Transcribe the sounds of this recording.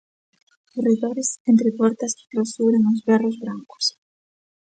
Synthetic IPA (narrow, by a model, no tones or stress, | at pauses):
ʊriðoɾɪsẽnt̪ɾɪpɔɾt̪ɐsi̥t̪ɾasuβɾeŋʊzβɛrʊzβɾaŋkʊ̥s